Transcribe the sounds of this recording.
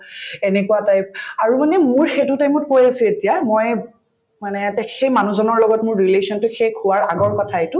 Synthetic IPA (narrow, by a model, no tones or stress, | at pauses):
ɛnɛkuatajp̚aɹumanɛmʊɹxetʊtajmɔt̚kojasɛetijamɔj | manɛtɛxejmanuzɔnɔɹlɔɡɔtmʊɹːilesɔntʊxekʰʊwaɹaɡɔɹkɔtʰaetʊ